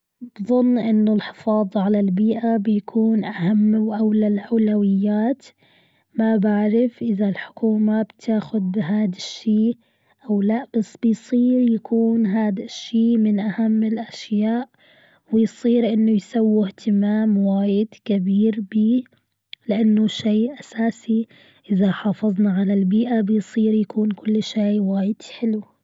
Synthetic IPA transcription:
bðˤʊnːʔɪnːʊlħɪ̥fɑːðˤɑʕalalbiːʔabjakʰuːnʔahamːwʔawlalʔawlawɪjːaːt̪ | mabaʕɾɪfʔɪðalħʊ̥kuːmabt̪ʰaːxʊd̪̚bɪɦaːd̪aʃːiː | ʔawlaʔb̥asːb̥ɪjsˤiːɾjakʰuːnɦaːd̪aʃːiːmɪnʔahamːɪlʔaʃjaːʔ | wɪjsˤiːɾʔɪnːʊjsawːɪht̪ɪmaːmwaːjɪd̪kɪbiːɾbiː | lɪʔanːʊʃeːʔasaːsi | ʔɪðaħɑːfɑðˤnɑʕalalbiːʔabɪjsˤiːɾjakuːnkʊlːʃeːwaːjɪd̪̥ħɪlu

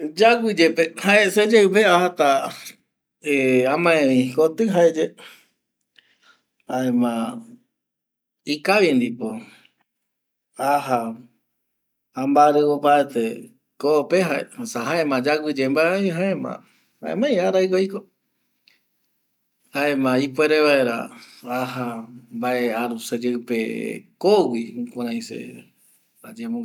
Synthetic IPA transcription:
d͡ʒaɡʷid͡ʒepehaesed͡ʒeɨpeahat̪a | eãmãẽʋĩkot̪ɨɦaed͡ʒe | haemã | ikaβind̪ipo | aɦa | ambaɾeopaet̪e | kopeɦaḛhasaɦaẽmãd͡ʒaɡʷɨd͡ʒembaeaiɦaẽmã̰ | ha̰ḛ̃mãĩaɾajkoiko | haẽmãipweɾeβaeɾa̰ | aɦambaʔeaɾused͡ʒeɨpekoɡikʷãɾãj̃sḛ | ad͡ʒemõŋ

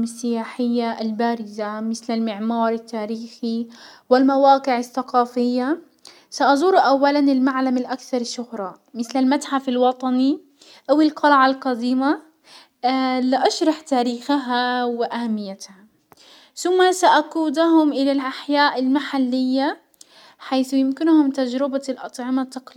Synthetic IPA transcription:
mɪsːɪjaːħɪjːaʔalbaːɾɪzamɪθlalmɪʕmɑːɾˤɪt̪ːaːɾiːxiwɪlmawaːqɪʕɪθːaqɑːfɪjːa | saʔɑzˤuːɾʔawːalanɪlmaʕlamalʔakθɑɾˤʃʊhɾˤɑ | mɪθlalmat̪ħafɪlwɑt̪ˤɑni | ʔawɪlqʰɑlʕalqɑd̪iːma | lɪʔɑʃɾˤɑħt̪aːɾiːxaɦawɪʔahamːɪjːat̪ha | θʊmːasaʔaquːd̪aɦʊmʔɪlalʔaħjaːʔɪlmaħalːɪjːa | ħajθjɪmkɪnhʊmt̪ad͡ʒɾɪbalʔɑt̪ˤʕɪmat̪ːɑql

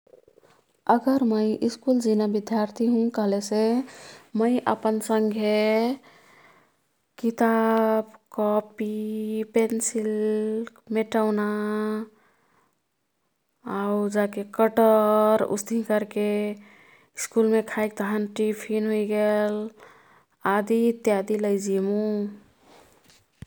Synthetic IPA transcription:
əɡəɾməjʔiskuld͡ʒinabid̪jaɾt̪ʰiɦũkəɦlese | məɪʔə̰pənsəŋɡʱe | kit̪abkɔpipensil | meʈaʊna | aud͡ʒakekəʈəɾṵst̪ĩkəɾke | skulmẽkʰaik̚t̪əɦənʈipʰinɦoiɡel | ad̪it̪jad̪iləjd͡ʒimũ

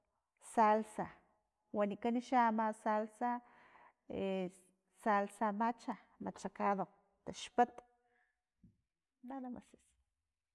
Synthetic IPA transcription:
salsa | wanikaniʃamasalsa | e | salsamat͡ʃa | mat͡ʃakaðo | t̪aʃpat̪ | naðama̰se̥s

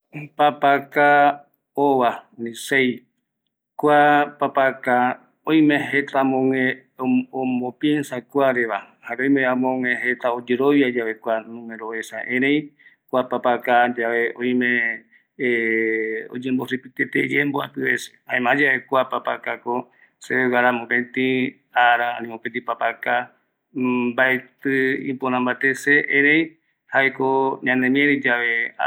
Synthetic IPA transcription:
papaka | oʋanĩsej | kʷapapaka | õj̃mẽɦet̪amõŋẽ | omõpjiensakʷaɾeʋahaɾeõjmẽãmõŋẽɦet̪aod͡ʒeɾoʋjad͡ʒaβe̞kʷanũmẽɾoesaʔẽɾẽj̃kʷapapakad͡ʒaβeʔõj̃mẽ | o̰d͡ʒẽmbosipit̪et̪ed͡ʒemboa̰p̪ɨβese̥ãẽmãd͡ʒaβekʷapapakako | seewaɾamõpẽnt̪ĩ | aɾaa̰nĩmõpent̪ipapaka | baet̪ɨḭ̃ponãmbat̪eseʔẽɾẽj̃ | haekoɲãnẽmĩẽɾĩd͡ʒaʋe

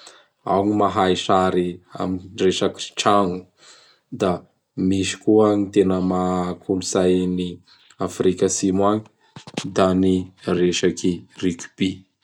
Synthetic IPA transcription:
a̰wɲimaɦajʃaɾia̰minreʃaki̥ʈ͡ʂanu | d̪a | miʃi̥kuaɲit̪enəmakʰuluzajni | afɾikasimwaɲi | d̪anireʃakirikʲu̥b̥i

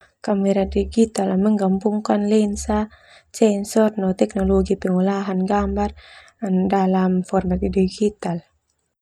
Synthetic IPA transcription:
kamɛɾadiɡit̪alaməŋɡampuŋkanlɛnsa | t͡ʃɛnsɔrnɔt̪ɛk̚nɔlɔɡipɛŋulaɦanɡambar | ndalamfɔrmat̪̚diɡit̪al

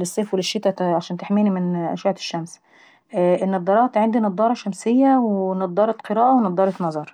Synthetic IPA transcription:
lesˤːeːfwelɪʃːet̪æʕaʃæːnt̪eħmiːnimɪnʔæ̰ʃaʕt̪e̥ʃːæms | ʔʔɪnːɑd̪ˤːɑɾˤɑːt̪ʕand̪inɑd̪ˤːɑːɾˤɑʃæmsɪjːæwenɑd̪ˤːɑːɾˤɑt̪qeɾæɑːʔawenɑd̪ˤɑːɾˤɑt̪mɑzˤɑɾˤ

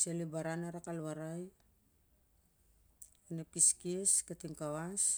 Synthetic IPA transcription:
selebaɾanaɾakalβaɾaj | anapiskieskatiŋkawas

